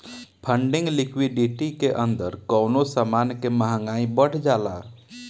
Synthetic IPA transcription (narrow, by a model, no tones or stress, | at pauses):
pʰə̃ɳɖɪ̃ŋɡlɪkʰwiɖiʈikeʔə̃nd̪əɾkɔːnosamaːnkeməɦəŋɡaːĩbəɽ̤d͡ʒaːla̰